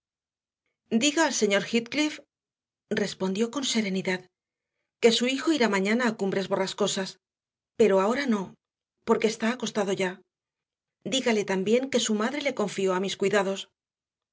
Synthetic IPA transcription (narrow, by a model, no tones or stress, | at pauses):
d̪iɣaːlse̞ɲo̞ɾxit̪̚klif | re̞spond̪jo̞ko̞nse̞ɾe̞niðað | ke̞suixo̞iɾamãɲanaːkumbɾe̞zβo̞rasko̞sas | pe̞ɾo̞ao̞ɾano̞ | po̞ɾke̞ːst̪aːko̞st̪aðo̞ʝa | d̪iɣale̞t̪ambje̞ŋke̞sumaðɾe̞le̞ko̞ɱfio̞amiskwijðað̞o̞s